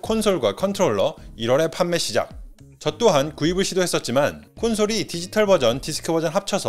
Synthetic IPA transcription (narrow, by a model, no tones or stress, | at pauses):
kʰonsʰoɭɡwakʰʌntʰɯɾoɭːʌiɾwʌɾe̞pʰamːe̞ɕ͈ʰid͡ʑa̰k̚ | t͡ɕʌt͈oɦankuibɯɭɕʰidoɦe̞s͈ʌt̚t͡ɕ͈imankʰonsʰoɾitid͡ʑitʰʌɭbʌd͡ʑʌntisʰɯ̥kʰɯbʌd͡ʑʌnɦap̚t͡ɕʰʌsʰʌ